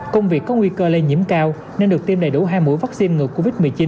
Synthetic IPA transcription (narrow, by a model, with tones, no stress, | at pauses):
kə˧wŋ͡mvi˨˩əkːɔ˨˦ŋwi˧kəː˧le˧nɲḭ˧˥əmkaː˧w | ne˧nɗɨ˨˩ək̚t̪i˧mɗə̰˨˩˨jɗṵ˧˥˩ɦaː˧jmṵ˧˥jvaː˦˥k̚si˧nŋɨ˨˩əkːo˧vi˦˥t̚mɨ˨˩əjt͡ɕi˨˦n